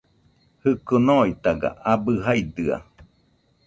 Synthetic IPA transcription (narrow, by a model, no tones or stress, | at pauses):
hɨkonoit̪aɡa̰ʔabɯɦaid̪ɯa̰